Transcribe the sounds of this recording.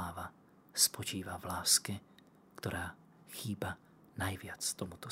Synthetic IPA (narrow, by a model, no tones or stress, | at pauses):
aːʋa | spɔt͡ʃiːʋavlaːskɛ | kt̪ɔɾʔaː | xiːba | najʋɪat͡st̪ɔmut̪ɔ